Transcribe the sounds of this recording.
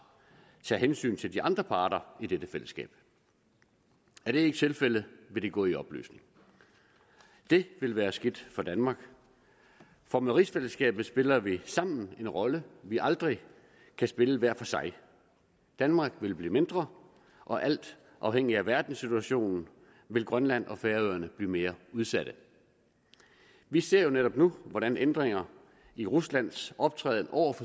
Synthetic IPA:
t͡sʰɛ̰ːɦensy̰ːnt͡sʰe̝ld̥iʔɑ̈nd̥ʁɐpʰɑ̈ːɾ̥ɐid̥ed̥əfel̰əsɡ̥ɛ̰ːb̥̚ | æɐɾ̥e̝e̝ɡ̥ət͡sʰe̝lfel̰əʋe̝d̥e̝ɡ̥ɔ̰ːiɒ̽b̥ly̰ːsne̝ŋ | d̥e̝ʋe̝lʋæːɐsɡ̥id̥fɒ̽d̥ænmɑ̈ːɡ̥ | fɒ̽meʁisfel̰əsɡ̥ɛ̰ːb̥ð̩ˠsb̥e̝lɐʋisɑ̈m̰n̩e̝nʁɒ̽ləʋiʔɑ̈ld̥ʁi | kʰæsb̥e̝ləʋæɐ̰fɒ̽sɑ̈ɪ | d̥ænmɑ̈ːɡ̥ʋe̝lb̥lḭːme̝nd̥ʁɐ | ʔɒ̽ʔæl̰d̥ | ʔɑ̈ʊheŋ̰iæʋæɐd̥n̩sit͡sʰuæɕo̝̰ːnn̩ | ʋe̝lɡ̥ʁɶnlæn̰ʔɒ̽feːɐøːɐnəb̥liːme̝ːɐuð̞ˠsæd̥ə | ʋise̝ɐ̰jo̝neɾ̥ɒ̽b̥nuʋɒɾ̥ænend̥ʁeŋɐ | iʁuslæn̰sɒ̽b̥̚t͡sʰʁɛ̰ːð̞ˠn̩ʔɒʊ̰ɐfɒ̽

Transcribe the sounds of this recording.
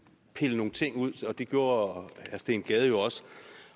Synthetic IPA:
pʰe̝ləno̝ːn̩t͡sʰe̝ŋ̰uð̰ˠɒ̽d̥e̝ɡ̥jo̝ːɐhæɐsd̥e̝ːnɡ̥ɛːð̞ˠjo̝ɒ̽sə̥

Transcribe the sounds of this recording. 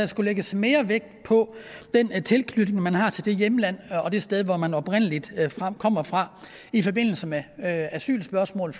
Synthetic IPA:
æsɡ̥uleɡ̥əsme̝ːɐʋeɡ̥̚pʰɒ̽d̥ent͡sʰe̝lkʰlyd̥ŋmænɦɑ̈t͡sʰe̝ld̥e̝jemlæn̰ɒ̽d̥e̝sd̥eð̞ˠʋɒmænɒ̽b̥ʁen̰əlid̥fʁɑkʰɒ̽m̰ɐfʁɑ̈ | ifɒ̽be̝n̰l̩səmeæsy̰ːlsb̥ɶɐsmɔ̰̽ːl

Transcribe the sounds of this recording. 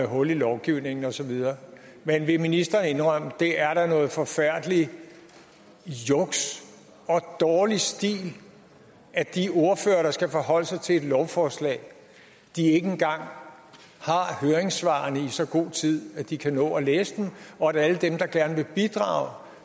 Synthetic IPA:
ɦɔ̽lilɒʊɡ̥iʊne̝ŋn̩ɒ̽sɒ̽ʋið̞ˠɐː | menʋe̝minisd̥ɐːne̝nʁɶm̰əd̥e̝æɐɾ̥ɑ̈nɔ̽ːð̩ˠfɒ̽fæɐ̰d̥li | jɔɡ̥s | ɒ̽d̥ɒːlisd̥ḭːl | æd̥io̝ɐfø̰ːɐɾ̥ɑ̈sɡ̥æfɒ̽ɦɒ̽l̰sɑ̈ɪt͡sʰe̝e̝d̥lɒʊfɒːslɛ̰ːɪ | d̥ie̝ɡ̥enɡ̥ɑ̈ŋ̰ | hɑ̈høːɐeŋsʋɑ̈ːɐnəisɒ̽ɡ̥o̝̰ːt͡sʰið̞̰ˠæd̥ikʰænɔ̰ːɒleːsəd̥emɒ̽æɾæləd̥emd̥ɑ̈ɡ̥æɐnəʋe̝b̥id̥ʁɑ̰̈ʊ

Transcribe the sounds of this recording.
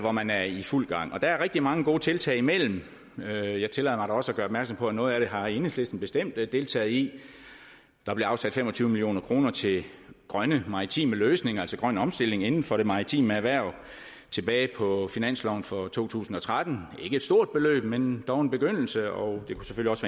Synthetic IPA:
ʋɒmænæɐiful̰ɡ̥ɑ̈ŋ̰ɒ̽d̥ææɐʁɛɡ̥̚d̥imɑ̈ŋəɡ̥o̝ːt͡sʰe̝lt͡sʰɛ̰ɪimel̰m̩ | øjɑ̈ɪt͡sʰe̝lɛ̰ðˠmɑɪɾɑɒ̽səæɡ̥ɶːɐɒbmæɐ̥sɒ̽mpʰɒ̽ænɔ̽ːð̞̩ˠæɾ̥e̝ɦɑ̈e̝nhesle̝sd̥n̩b̥e̝sd̥em̰d̥d̥e̝lt͡sʰɛ̰ːð̩ˠi | d̥ɑ̈b̥le̝ɑ̈ʊsæd̥femɒ̽t͡sʰyːʊəmilio̝̰ːnɐkʰʁo̝ːnɐt͡sʰe̝ɡ̥ʁɶnəmɑ̈it͡sʰḭːməløːsne̝ŋɐælsɒɡ̥ʁɶn̰əɒ̽msd̥e̝le̝ŋe̝nn̩fɒ̽ɾ̥e̝mɑ̈it͡sʰḭːmæʋæɐ̰ | t͡sʰe̝b̥ɛːɪpʰɒ̽finæn̰slɒʊnfɒ̽t͡sʰo̝̰ːt͡sʰṵːsn̩ɒ̽t͡sʰʁad̥n̩e̝ɡəe̝d̥sd̥o̝ɐ̰d̥̚b̥e̝lø̰ːb̥mend̥ɒʊe̝nb̥e̝ɡ̥øn̰l̩səɒʊd̥e̝kʰuse̥føliɒ̽sʋæ

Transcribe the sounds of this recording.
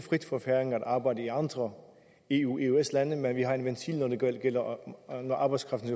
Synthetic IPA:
fʁid̥fɒfæɐeŋæd̥ɑ̈ːb̥ɑ̈ɪ̰d̥əiɑ̈nd̥ʁɐ | e̝ṵːe̝eslænəmenʋiɦɑ̈e̝nʋent͡sʰḭlnɒd̥e̝ɡ̥eɡ̥el̰ɐnɒʔɑ̈ːb̥ɑɪskʰʁɑ̈fd̥n̩e

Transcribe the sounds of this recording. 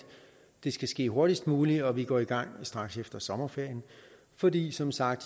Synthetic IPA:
d̥e̝sɡ̥æsɡ̥e̝̰ːɦo̝ɐɾ̥isd̥muːliɒ̽ʋiɡ̥ɒ̰ːiɡ̥ɑ̈ŋ̰sd̥ʁɑ̈ɡ̥sefd̥ɐsɒ̽mɐfeɐ̰jən | fɒ̽d̥ḭːsɒ̽msɑ̈ɡ̥̚d̥

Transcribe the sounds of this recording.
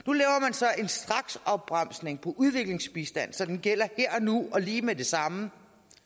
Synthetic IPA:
nulɛːʊɐmænsɒ̽ʔe̝nsd̥ʁɑ̈ɡ̥sɒ̽b̥̚ʁɑm̰sne̝ŋpʰɒ̽ʔuð̞ˠʋe̝ɡ̥le̝ŋsb̥isd̥æn̰sɒ̽d̥enɡ̥el̰ɐheɐ̰ɒnuɒ̽liːmede̝sɑ̈mə

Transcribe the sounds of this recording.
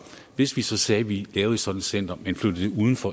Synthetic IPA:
ʋe̝sʋisɒ̽sɛːʋilɛːʊð̩ˠe̥sɒ̽d̥n̩sen̰d̥ɐmenflød̥əeuːð̞ˠn̩fɒ̽

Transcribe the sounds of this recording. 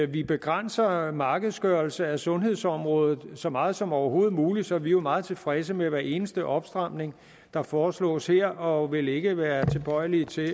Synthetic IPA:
ʋib̥e̝ɡ̥ʁan̰sɐmɑ̈ːɡ̥əð̞̩ˠsɡ̥ɶɐl̩səæsɔ̽nɦe̝ð̞̰ˠsɒ̽mʁɔ̽ːðˠð̩ˠsɒ̽mɑ̈ːð̩ˠsɒ̽mɒʊɐɦo̝ːð̩ˠmuːli̥sɒ̽ʋiomɑ̈ːð̞̩ˠt͡sʰe̝lfʁɛs̬əmeʋæɐe̝ːnəsd̥əʔɒ̽b̥sd̥ʁɑ̈m̰ne̝ŋ | d̥ɑ̈fɒːslɔ̰̽ːsheɐ̰ɒ̽ʋe̝le̝ɡ̥əʋæːɐt͡sʰe̝b̥ɒ̽ɪ̰lit͡sʰe̝

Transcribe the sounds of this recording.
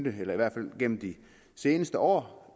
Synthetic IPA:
d̥əelɐiʋæɐ̰d̥fæl̰ɡ̥en̰m̩d̥i | se̝ːnəsd̥əʔɒ̰ː

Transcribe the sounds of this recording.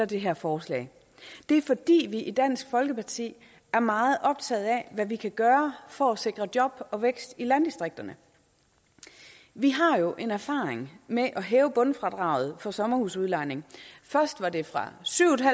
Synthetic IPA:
ɐd̥e̝ɦeɐfɒːslɛ̰ː | d̥e̝æɐfɒ̽d̥ḭːʋiʔid̥æn̰sɡ̥fɒ̽lɡ̥əpʰɑ̈t͡sʰḭː | æɐmɑ̈ːð̞̩ˠʔɒ̽b̥̚t͡sʰɛ̰ːð̞̩ˠæʋæʋikʰæɡ̥ɶːɐfɒæse̝ɡ̥ʁɐd̥jɒ̽b̥ɒ̽ʋeɡ̥sd̥ilænd̥isd̥ʁeɡ̥̚d̥ɐnə | ʋiɦɑ̈jo̝ʔe̝næɐfɑ̈ːeŋmeʔɒ̽ɦɛːʊəb̥ɔ̽nfʁɑ̈d̥ʁɑ̈ʊð̞̩ˠfɒ̽sɒ̽mɐhusuðˠlɑ̈ɪne̝ŋfɶɐsd̥ʋɑ̈de̝fʁɑ̈syʊ̰̥ɦæ

